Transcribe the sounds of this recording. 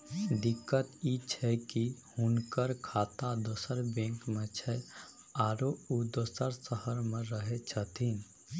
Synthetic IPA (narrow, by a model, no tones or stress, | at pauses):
d̪ikːət̪it͡ʃʰɛkihʊnkəɾkʰaːt̪ad̪osəɾbẽːŋkmet͡ʃʰɛ | aːɾoud̪əsəɾsəhəɾmẽɾəɦet͡ʃʰət̪ʰin